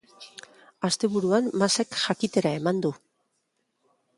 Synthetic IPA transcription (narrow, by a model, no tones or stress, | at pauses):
ast̪e̞βuɾuanːase̞kʝakit̪e̞ɾae̞mand̪u